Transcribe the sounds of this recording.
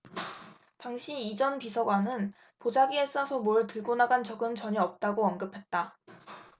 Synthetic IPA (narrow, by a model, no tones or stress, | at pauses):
taŋɕʰiid͡ʑʌnpisʰʌɡwanɯn | pod͡ʑaɡies͈asʰʌmoɯɭtɯɭɡonaɡant͡ɕʌɡɯnt͡ɕʌɲiʌp̚t͈aɡoʌnɡɯpʰe̞t̚t͈a